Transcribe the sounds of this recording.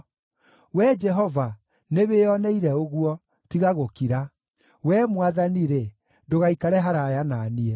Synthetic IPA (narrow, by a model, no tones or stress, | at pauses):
wɛd͡ʒɛɦɔva | neβeɔnɛiɾɛoɣuɔ | tiɣaɣokiɾa | wɛːmwaðaniɾe | ndoɣaikaɾɛɦaɾajanaːniɛ